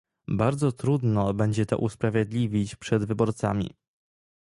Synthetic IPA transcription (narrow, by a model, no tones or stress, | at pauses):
baɾd̪zɔt̪ɾud̪nɔbɛɲd͡ʑɛt̪ɔ̰ʔuspɾavʲjed̪lʲivʲit͡ɕpʂɛd̪vɘbɔɾt̪sa̰mʲḭ